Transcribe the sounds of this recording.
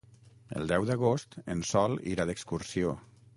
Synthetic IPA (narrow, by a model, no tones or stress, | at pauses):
ə̰lˠd̪ɛwd̪əɣost̪ə̰nsɔlˠḭɾaðəkskursio